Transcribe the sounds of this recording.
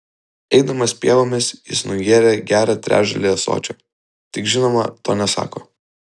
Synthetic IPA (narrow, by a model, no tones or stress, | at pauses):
ɛɪd̪ɐmɐspʲiɛʋoːmʲɪsjɪ̰snʊjiɛɾʲeːɡʲæːɾɑt̪ʲɾʲæ̰ːʒɐ̰lʲejɛso̰ːt͡ʃʲoː | t̪ʲɪkʒʲɪnoːmɐ̰t̪o̰ːnʲɛsɑ̰ːko̰ː